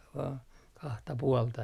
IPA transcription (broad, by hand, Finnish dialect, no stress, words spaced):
ʋɑː kɑhtɑ puoltɑ